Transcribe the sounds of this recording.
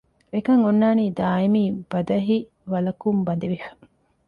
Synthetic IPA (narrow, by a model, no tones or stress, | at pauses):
ekɐŋonːaːniːd̪aːimiːb̥ɐd̪ɐɦi | ʋɐlɐkumbɐd̪eʋifɐ̥